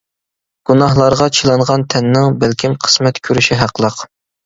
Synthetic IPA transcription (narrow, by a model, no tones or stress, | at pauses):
ɡ̥unɑɦlˠɑɾʁɑt͡ʃʰilˠɑɴʁɑnt̪ʰɛnːɪŋbælkʲʰimqʰə̥smɛt̪kʲʰøɾyʃiɦæqlˠəq